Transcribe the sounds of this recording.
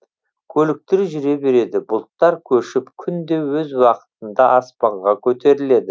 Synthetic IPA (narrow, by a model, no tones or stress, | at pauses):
kʲʰɵlɪk̚t̪ɪɾʒʏɾe̞be̞ɾe̞d̪ɪbʊlˠt̪ːɑɾkʲʰɵʃɪpkʲʰʏnd̪e̞wɵzwɑqə̥t̪ənd̪ɑʔɑspɑɴʁɑkʲʰɵt̪e̞ɾɪle̞d̪ɪ